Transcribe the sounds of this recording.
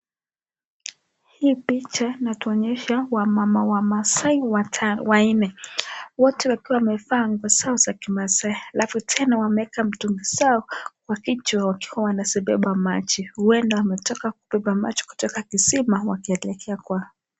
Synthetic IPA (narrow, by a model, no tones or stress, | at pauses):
hiːpit͡ʃainatuɔɲɛʃawamamawamasaiwaawainɛwɔtɛwakiwamɛfaŋɡɔsaɔzakimasaialafutʰɛnawamɛɛkam̩tuŋɡisaɔkwakit͡ʃuawakiwawanasiɓɛ̰ɓamat͡ʃihuwɛndawamɛtɔkakuɓɛɓama̰t͡ʃi̥ku̥tɔkakisimawakiɛlɛkʰɛakwa